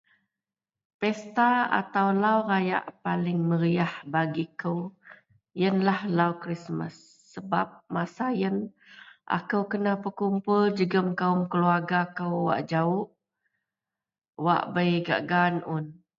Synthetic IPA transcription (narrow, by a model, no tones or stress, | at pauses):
pɛst̪aa̰t̪awlawɾaja̰ʔpalɪŋməɾiahbaɡikəw | jənlahlawkɾismə̰sː | əbap̚masajən | ʔa̰kəwkənapərkumpʊld͡ʒəɡəmkaʊmkəluarɡakəwwa̰ʔd͡ʒaʊʔ | wa̰ʔbəjɡa̰ʔɡanʊn